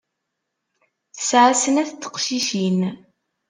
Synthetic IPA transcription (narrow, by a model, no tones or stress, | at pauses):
θə̥sʕasənæθt̪ːə̥qʃiʃin